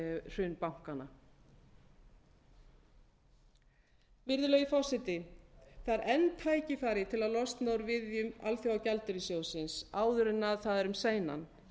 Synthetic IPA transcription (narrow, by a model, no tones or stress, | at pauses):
r̥ʏːnpawŋ̥kana | vɪɾðʏlœːɣɪfɔrsɪt̪ɪθaɾʔɛnt̪ʰaːjcɪfaːɾɪt̪ʰɪlaðlɔst̪nowɾvɪðjʏma̰lθjawawcɛalt̪ʏɾɪsjoːwsɪnsaːwðʏɾʏnːaðθaðɾʏmseːjna̰n